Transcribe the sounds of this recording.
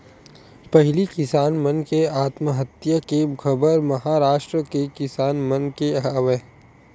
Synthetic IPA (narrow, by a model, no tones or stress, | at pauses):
pɐɦlikɪsaːnmɐnkeaːt̪məɦət̪jakekʰɐbəɾmɐɦaːɾaːʃʈɾəkekɪsaːnmɐnkeɦaːʋeː